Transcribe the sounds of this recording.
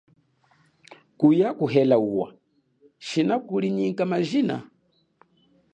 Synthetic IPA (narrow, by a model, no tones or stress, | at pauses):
kujakuɦɛlauwa̰ | ʃinakuliɲiŋkamaʒina̰